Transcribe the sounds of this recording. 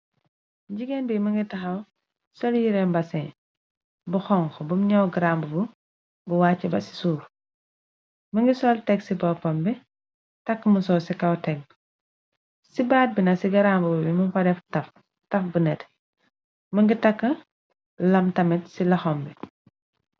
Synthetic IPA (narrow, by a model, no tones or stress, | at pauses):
ɟiɡɛnbimɐŋɡitɐxɐw | sɔljiɾɛmbɐsɛ | buxɔŋkɔbumɲɐwɡɐɾambubu | buwaːt͡ʃːɛbɐ̰si̥suːɾ | mɐŋɡisɔltɛɡsibɔpɔmbɛ | tɐkːəməsɔsikɐwtɛɡ̚ | sibaːt̚binɐsiɡɐɾambububimumpɐdɛftɐf | tɐfbunɛt | mɐŋɡitɐkːɐ | lɐmtɐmɛtsilɐxɔmbɛ